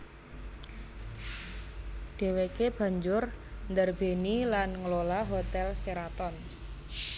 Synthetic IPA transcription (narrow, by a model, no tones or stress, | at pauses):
ɖ̪̥e̤wekeb̥ä̤ɲd͡ʒʊrnd̪ərb̥e̤nilanŋəlolaɦot̪ɛlseɾat̪ɔn